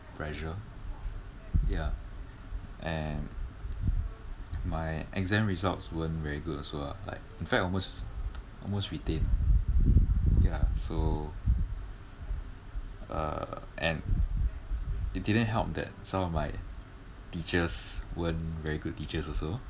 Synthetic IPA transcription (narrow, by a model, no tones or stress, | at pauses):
pʰɹɛʃə | ja | ʔɛ̃n | maɪɛɡzɛ̃mɹizaltswə̃nvɛɹiɡutɔsoa̰la̰ɪk̚ĩnfɛk̚ɔlmosʔɔ̰lmostɹitẽn | jaso | ʌ̰ʔɛ̰̃n | it̚didə̃nɦɛlˠp̚dɛ̰t̚sãmɔfmaɪ | tit͡ʃəswə̃nvɛɹiɡut̚tːit͡ʃəsɔso